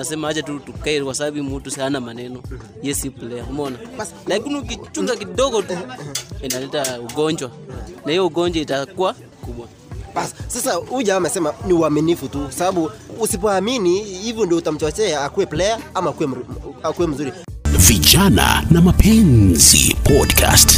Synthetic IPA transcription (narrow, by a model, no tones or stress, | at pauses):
nasɛmahat͡ʃatutukaiɾɛkwasaɓaɓimutushanamanɛnɔ | jɛsiplɛjaumɔnas | lakiniuk̬it͡ʃuzak̬iɗɔɡɔ | inalɛtauɡɔɲd͡ʒwanaijɔuɡɔɲd͡ʒwaitakuwa | kuɓwa | ɓasi̥sasauʄawamɛsɛmaniuaminifutukwasaɓaɓuːsip̬ɔaminihivjɔndiɔutam̩t͡ʃɔt͡ʃɛaːkuwɛplɛaamakuwɛkuwɛm̩zuɾiviʄana̰namapʰɛnzḭpʰɔdkʰa̰st